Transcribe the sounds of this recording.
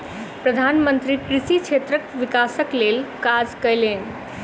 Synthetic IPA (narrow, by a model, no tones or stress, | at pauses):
pɾəd̪ʱanmənt̪ɾikɾisit͡ʃʰet̪ɾəkʋikasəklelkad͡zkəjlen